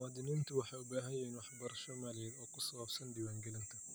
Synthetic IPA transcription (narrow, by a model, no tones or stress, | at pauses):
aːd̪ɪniːnt̪ʰʊwɑħɑːʊbaːɦɐjɛɪnwɑħbɐɾɐʃɔmaːljɛːd̪ɔːkʰʊsɐwɐbsɐnd̪ɪwaːŋɡɛlɪnt̪ʰɐ